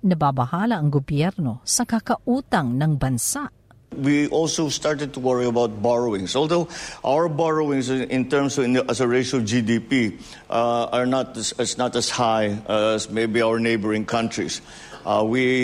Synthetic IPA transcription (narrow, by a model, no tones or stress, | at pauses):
nɐbabɐhaːlɐʔɐŋɡobjɛɾnosɐkɐkɐʔuːt̪ɐŋnɐŋbɐnsaʔ | wiʔɔlsoʊst̪aɹt̪ɛd̪̚t̪uwəɹiɐbawt̪̚bɔɹowɪ̃ŋsɔlˠd̪oʊʔawəɹbɔɹowɪ̃ŋsɪ̃nt̪ɛɹmsɔɪnʔɐsəɹeɪʃɔvd͡ʒid̪ipi | ʔaɹnat̪sɛsnat̪ɐshajʔæsmejbiawəɹnejbəɹɪ̃ŋkʰãnt̪ɹḭs | ʔwi